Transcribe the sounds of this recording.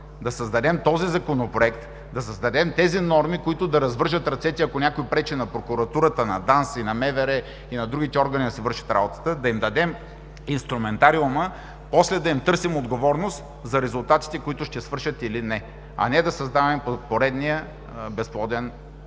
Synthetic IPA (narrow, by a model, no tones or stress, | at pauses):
d̪ɐsəzd̪ɐd̪ɛmt̪ɔzizɐkonopɾoɛkt̪ | d̪ɐsəzd̪ɐd̪ɛmt̪ɛzinɔɾmikoit̪ʊd̪ɐɾɐzvəɾʒət̪ɾɐt̪sɛt̪iɐkonʲakoipɾɛt͡ʃɛnɐpɾokʊɾɐt̪uɾət̪ənɐd̪ansinɐmɛvɛɾɛ | inɐd̪ɾuɡ̟it̪ɛɔɾɡɐnid̪ɐsɛvɤɾʃə̥t̪ɾa̰bot̪ə̥t̪əd̪ɐimd̪ɐd̪ɛm | inst̪ɾʊmɛnt̪aɾiumə | pɔslɛd̪ɐimt̪ɤɾsimod̪ɡovɔɾnost̪ | zɐɾɛzʊlˠt̪at̪i̥t̪ɛkoit̪ʊʃt̪ɛsvəɾʃət̪ilinɛ | ɐ̰nɛd̪ɐsɐzd̪avɛmpopoɾɛd̪nijə | bɛsplˠɔd̪ɛn